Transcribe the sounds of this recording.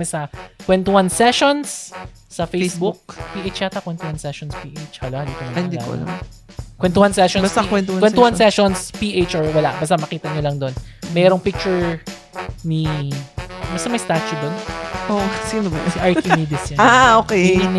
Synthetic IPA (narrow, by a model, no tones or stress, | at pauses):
ɛsɐkwɛnt̪ʊwɐnsɛʃonsː | ɐfesbukpiʔejt͡ʃaːt̪ɐkwɛnt̪ʊwansɛʃonspiːʔet͡ʃhɐlohɐd̪iːkɐɐd̪ḭ | kwɛnt̪ʊwansɛʃɔnbɐsakwɛnt̪wɛnʊwansɛʃonspiʔejt͡ʃʔɔɹwɐlaʔbɐst̪amɐkiːt̪ɐɲolɐŋd̪onmɛːɾoŋpɪk̚t͡ʃʊɹ | ni | bɐst̪ɐmɐjst̪aːt͡ʃud̪onʔosimmɐsɐʔaɹkimid̪ɪsaaʔokɛin